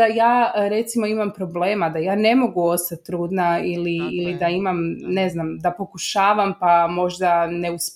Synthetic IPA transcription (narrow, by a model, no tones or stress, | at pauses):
ajaːɾe̞t̪simo̞imampɾo̞ble̞ːmad̪ajaːne̞mo̞ɡuo̞st̪at̪ːɾuːd̪nailiːlid̪aimamne̞znamd̪apo̞kuʃaːʋampamo̞ʒd̪ane̞us